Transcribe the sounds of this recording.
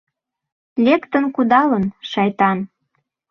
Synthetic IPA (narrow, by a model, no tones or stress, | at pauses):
lʲekt̪ə̆nkud̪ɑlənʃɑjt̪ɑn